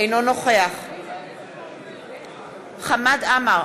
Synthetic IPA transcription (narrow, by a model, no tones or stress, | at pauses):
jnonɔχɔjaχ | χamad̪ama